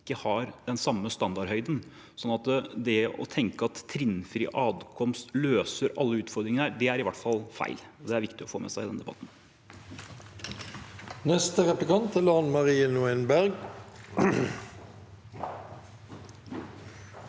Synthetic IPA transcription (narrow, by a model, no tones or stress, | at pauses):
kːəhɑɾd̪ɛnsɑmːəst̪ɑnd̪ɑɾhœʏd̪ən | sɔnːɑt̪əd̪ɛɔ̰t̪ʰɛŋkəɑt̪ʰːɾɪnfɾḭːʔɑːd̪kʰɔmst̪løːsəɾʔɑ̰lːəʉːt̪fɔɾd̪ɾɪŋənhæːd̪ɛæɾɪʋæʈfɑlfæ̰ɪlɔd̪ɛæɾʋɪkt̪ɪɔfoːmɛ̰sæɪɪd̪ɛnd̪ɛbɑ̰t̪n | nɛst̪əʁɛplɪkʰɑnt̪ʰəlɑnmɑʁiːənuɛnbæʁɡ